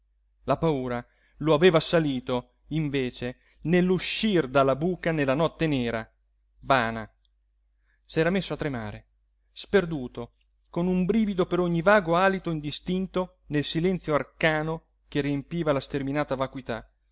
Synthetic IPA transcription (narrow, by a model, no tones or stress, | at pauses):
lapauːɾa | loaveːvasaliːt̪o | iɱveːt͡ʃe | nelːuʃːird̪alːabuːkanelːanɔt̪ːenɛːɾa | vaːna | sɛːɾamesːoat̪ːɾema̰ːɾe | sperd̪uːt̪o | konumbɾiːvid̪opeɾoɲːivaːɡoaːlit̪oind̪ist̪int̪o | nelsilɛnt̪sjoarkaːno | keriempiːvalast̪erminaːt̪avakwit̪a